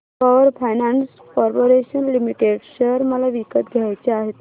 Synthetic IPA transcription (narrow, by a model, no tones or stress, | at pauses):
pɔʋəɾfʰajnãns | kɔɾpoɾeɕənlimiʈeɖsəɾməlaʋikət̪ɡʱjajt͡ɕeaɦet̪